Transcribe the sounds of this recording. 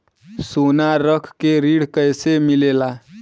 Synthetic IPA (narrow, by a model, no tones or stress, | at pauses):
sonaɾəkʰkeɾiɽkəjsemilela